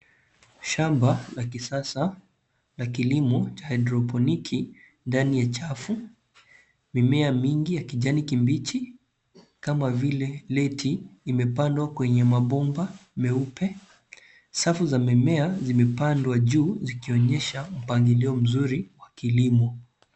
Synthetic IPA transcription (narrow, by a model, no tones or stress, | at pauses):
ʃambalakisasa | lakilimɔt͡ʃaadɾɔpɔnikʰi | ndanijat͡ʃafu | mimɛamiŋɡijakiʄanikimbit͡ʃi | kamavilɛlɛtʰiːmɛpandwakwɛɲɛmaɓɔmbamɛupɛ | safuzamɛmɛazimɛpandwaʄuːzikiɔɲɛʃam̩paŋɡiliɔm̩zuɾiwakilimɔ